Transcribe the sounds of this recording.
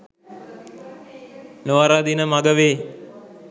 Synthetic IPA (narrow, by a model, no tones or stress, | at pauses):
noʋaɾaːd̪inəmaɡəʋeː